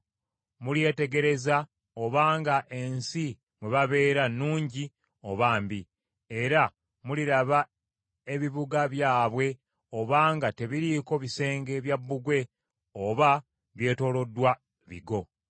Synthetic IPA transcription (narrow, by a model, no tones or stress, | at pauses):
mulje̞ːte̞ɡe̞ɾe̞za | o̞βaːŋɡaʔe̞nsi | mweβaβe̞ːɾanːuːɲɟi | o̞βaːmbi | e̞ɾa | muliɾaβa | e̞βiβuɡaβjaːβwe̞ | o̞βaːŋɡate̞βiɾiko̞βise̞ːŋɡe̞βjabːuɡwe̞ | oβa | βje̞ːto̞ːlo̞dːwa | βḭɡo̞